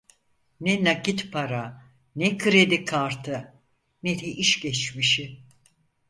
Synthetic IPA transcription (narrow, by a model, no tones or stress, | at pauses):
nɛnakit̪pʰaɾa | nɛkʰɯɾed̪ikʰaɾt̪ʰɯ | nɛd̪ɛʔiʃɟɛt͡ʃmiʃi